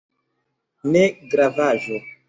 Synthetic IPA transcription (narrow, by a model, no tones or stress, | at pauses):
nɛɡɾavaʒɔ